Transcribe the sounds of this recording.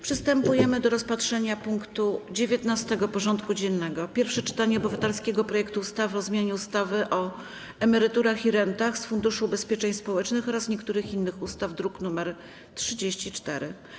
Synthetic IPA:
pʂɘst̪ɛmpujɛmɘd̪ɔɾɔspat̪ʂɛɲapuŋkt̪ud͡ʑevʲjet̪nast̪ɛɡɔpɔʐɔnt̪kud͡ʑɛnnːɛɡɔpʲjɛɾfʂɛt͡ʂɘ̥t̪aɲɛɔbɘvat̪ɛlskʲɛɡɔpɾɔjɛkt̪uust̪avɘɔzmʲjaɲɛust̪avɘʔɔ | ɛmɛɾɘt̪uɾaxiɾɛnt̪axsfund̪uʂuːbɛspʲjɛt͡ʂɛɲspɔwɛt͡ʂnɘxɔɾasɲɛkt̪uɾɘxinːɘxust̪avd̪ɾuknumɛɾ | tʂɘd͡ʑeɕt͡ɕit͡ʂt̪ɛɾɘ

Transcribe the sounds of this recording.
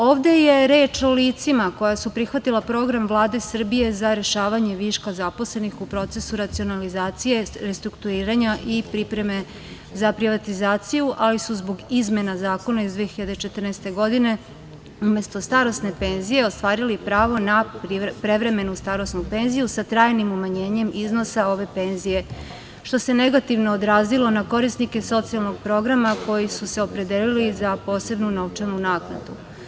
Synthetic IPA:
oːʋd̪e̞je̞ɾe̞ːt͡ʃo̞liːt̪simako̞jasupɾixʋat̪ilˠapɾo̞ɡɾamvlˠaːd̪e̞sr̩bije̞zaɾe̞ʃaːʋaɲe̞ʋiʃkazapo̞sle̞nixupɾo̞t̪se̞suɾat̪sio̞nalizaːt̪sije̞ɾest̪ɾukt̪uɾiːɾaɲaʔipɾipɾe̞me̞ | zapɾiʋat̪izaːt̪sijuʔalisuzbo̞ɡizme̞nazaːko̞naizd̪ʋiexiʎad̪et͡ʃe̞t̪r̩nɛst̪e̞ɡo̞d̪ine̞ | ume̞st̪o̞st̪aɾo̞sne̞pe̞ːnzije̞ost̪ʋaːɾilipɾaːʋo̞nappɾe̞ʋɾe̞me̞nust̪aɾosnupe̞nzijusat̪ɾaːjnimumaɲe̞ːɲe̞mʔizno̞sao̞ʋe̞pe̞ːnzije̞ | ʃt̪o̞se̞ne̞ɡat̪iʋno̞ːd̪ɾaːzilo̞nako̞ɾisnike̞so̞t̪sialˠno̞ɡpɾo̞ɡɾamako̞jisuse̞opɾe̞d̪elilizapo̞ːse̞bnuno̞ʋt͡ʃalnunaːkna̰d̪ṵ

